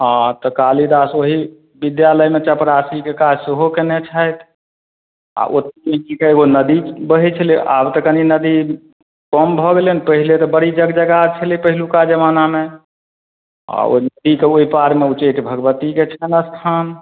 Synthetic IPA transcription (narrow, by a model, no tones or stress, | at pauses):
ɦãt̪ɔkalid̪asoɦi | bid̪jaləjmet͡ʃəpɾasikekad͡ʒseɦokenet͡ʃʰəjt̪ | a̰ʔo̰t̪iẽkikeeɡonəd̪ibəɦit͡ʃʰəliʔa̰bt̪ɔkəninəd̪i | kɔmbʱɔɡelenpəɦilet̪ɔbəɾid͡ʒəɡd͡ʒəɡat͡ʃʰəlipəɦilukad͡ʒəmaname | a̰o̰inəd̪ikeoipaɾmeut͡ʃeʈbʱəɡəbət̪iket͡ʃʰɛnəst̪ʰan